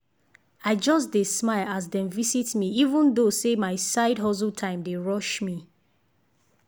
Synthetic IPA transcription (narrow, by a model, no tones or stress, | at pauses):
aɪd͡ʒɔs̬desmaɪlas̬dɛ̃nvisitmiivə̃ndosemaɪsaɪdɦɔs̬əltʰãɪ̃mdeɹɔʃmi